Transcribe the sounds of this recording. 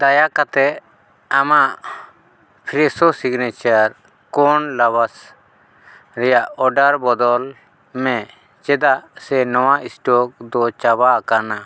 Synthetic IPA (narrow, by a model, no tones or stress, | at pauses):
d̪ajakat̪ɛ | amaʔ | pʰiɾɛsɔsiɡnɛt͡ʃaɾ | kɔɳlaβas | ɾɛjaʔɔɖaɾbɔd̪ɔl | mɛ̃ | t͡ʃɛd̪aʔsɛnɔwaʔisʈɔk̚d̪ɔt͡ʃabakana